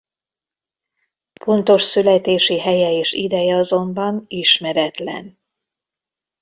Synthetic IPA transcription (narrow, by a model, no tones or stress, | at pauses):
fo̞nt̪o̞ʃsylɛt̪eːʃiɦɛjɛeːʃid̪ɛjɛɒzo̞mbɒniʃmɛɾɛt̪lɛ̰n